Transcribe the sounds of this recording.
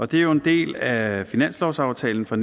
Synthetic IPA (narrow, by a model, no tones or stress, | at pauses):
ɒ̽d̥e̝æjoe̝nd̥e̝̰ːlæfinæn̰slɒʊsɑ̈ʊt͡sʰɛ̰ːln̩fɒ̽n